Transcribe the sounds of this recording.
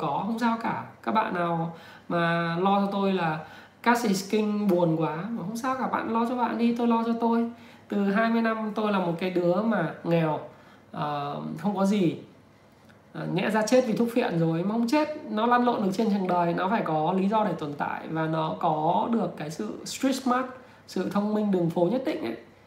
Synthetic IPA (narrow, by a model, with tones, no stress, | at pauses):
kɔ˨˦hə˧wŋ͡msaː˧wkaː˧˩kaː˦˥k̚ɓa̰ː˧˨nːaː˨˩w | maː˨˩lɔ˧t͡ɕɔ˧t̪o˧jlaː˨˩ | kaː˦˥si˨˩skï˧ŋ̟ɓu˨˩ənkwaː˨˦maː˨˩hə˧wŋ͡msaː˧wkaː˧˩ɓa̰ː˧˨nlɔ˧t͡ɕɔ˧ɓa̰ː˧˨nɗi˧t̪o˧jlɔ˧t͡ɕɔ˧t̪o˧j | t̪ɨ˨˩ɦaː˧jmɨ˧jna˧mt̪o˧jlaː˨˩mo˨˩t̚kaː˨˦jɗɨ˨˦əmaː˨˩ŋɛ˨˩w | ʔəː˨˩xə˧wŋ͡mkɔ˨˦zi˨˩ | ʔŋɛ̰˧˥zaː˧t͡ɕe˦˥t̚vi˨˩t̪ʰʊ˦˥k̚fḭ˧˨ənzo˨˩jmaː˨˩hə˧wŋ͡mt͡ɕe˦˥t̚nɔ˨˦laː˧nlo̰˧˨nɗɨ˨˩ək̚t͡ɕe˧nt͡ɕɨ˨˩əŋɗəː˨˩jnɔ˨˦faː˧˩jkɔ˨˦li˨˦zɔ˧ɗe˧˩t̪wə˧˩nt̪a̰ː˧˨jvaː˨˩nɔ˨˦kɔ˨˦ɗɨ˨˩əkːaː˨˦jsɨ̰˧˨stɹi˦˥ma˦˥t̚ | sɨ̰˧˨t̪ʰə˧wŋ͡mmï˧ŋ̟ɗɨ˨˩əŋfo˨˦ɲə˦˥t̚ɗḭ̈˧˨ŋ̟ʔə̰˧˦j